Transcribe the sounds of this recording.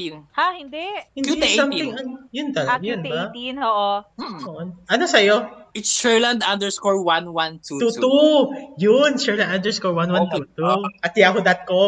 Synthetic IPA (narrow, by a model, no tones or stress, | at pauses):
nhahɪnd̪ɛhɪndisɐmɪŋʔɐnojʊnt̪ɐlɐjʊnbɐnoʔooʔonʔɐno̞sɐjoɪt̪sʃɛɹlɐ̃nd̪ãnd̪ɛɹskoɹwanwãnt̪uut̪ujʊnsɛɹlɐnd̪and̪ɛskoɹwanwant̪ut̪uʔɐt̪̚jakod̪ɐt̪̚ko